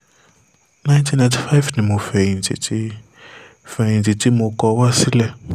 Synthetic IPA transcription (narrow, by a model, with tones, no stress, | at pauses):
nã˦ɪ̃˦ntʰĩ˦nã˨tʰi˨fa˦ɪ˦vnɪ̃˨mõ˨fɛ˨ĩ˨n˨tʰḭ˨tʰi˦ | fɛ˨ĩ˨ti˨ti˦mõ˨kɔ˨˦wa˦si˦lɛ˦˨